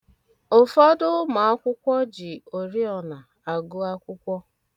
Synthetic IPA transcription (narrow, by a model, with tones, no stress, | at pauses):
o˨fɔ˦dʊ˦ma˨a˦kʷʊ˦kʷɔ˦d͡ʒɪ˨o˨ɾi˦ɔ˨na˨ | a˨ɡʊ˦a˦kʷʊ˦kʷɔ˦